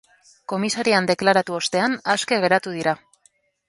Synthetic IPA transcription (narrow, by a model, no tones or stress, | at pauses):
ko̞misaɾiand̪e̞klaɾat̪uo̞st̪e̞anaske̞ɣe̞ɾat̪uð̞iɾa